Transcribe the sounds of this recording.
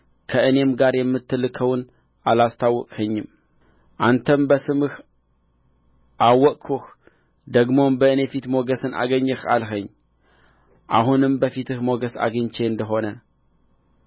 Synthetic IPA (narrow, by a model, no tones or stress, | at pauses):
kʰəʔɨne̞mɡaɾjɛmːɨt̪ʰːɨlːɨkʰəwn | ʔalast̪ʰawːɔkʼhəɲːɨm | ʔant̪ʰəmbəsɨmɨh | ʔawːɔkʼkʰux | d̪əɡmombəɨne̞fit̪mo̞ɡəsɨnʔa̰ɡəɲːɨxa̰lɦəɲː | ʔa̰ɦunɨmbəfit̪ʰɨhmo̞ɡəsa̰ɡɨɲt͡ʃʰe̞ɨnd̪əɦo̞nə